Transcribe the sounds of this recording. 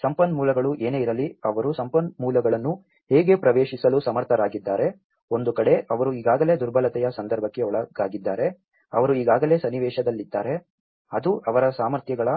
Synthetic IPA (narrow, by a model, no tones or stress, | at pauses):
sɐmpɐnmuːlɐɡɐɭuʔe̞ːneiɾɐliɐʋɐɾusɐmpɐnmuːlɐɡɐɭɐnːu | heːɡe̞pɾɐʋeːʃisɐlusɐmɐɾt̪ʰɐɾaːɡid̪ːaːɾe̞ | o̞nd̪ukɐɽe̞ʔɐʋɐɾuiːɡaːɡɐle̞ːd̪uɾbʱɐlɐt̪ɛjɐsɐnd̪ɐɾbʱɐkːeɔɭɐɡaːɡid̪ːaːɾe̞ | ɐʋɐɾuiːɡaːɡɐle̞ːsɐnːiʋɛːʃɐd̪ɐlːid̪ːaːɾe̞ | ɐd̪uʔɐʋɐɾɐsaːmɐɾt̪jɐɡɐɭɐ